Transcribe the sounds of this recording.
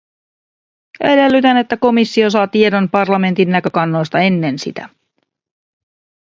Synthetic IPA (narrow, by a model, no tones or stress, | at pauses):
ʔæde̞lːyt̪æne̞t̪ːæko̞misːio̞sɑːt̪ie̞do̞npɑrlɑme̞nt̪inːækø̞kɑnːo̞jst̪ɑe̞nːe̞nsḭt̪æ̰